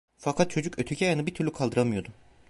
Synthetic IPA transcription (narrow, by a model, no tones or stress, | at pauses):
fakʰat̪̚t͡ʃʰo̞d͡ʒukøt̪ʰycʲʰɛjanɯbit̪ʰyɾlʲykʰalˠd̪ɯɾamɯjo̞d̪ʊ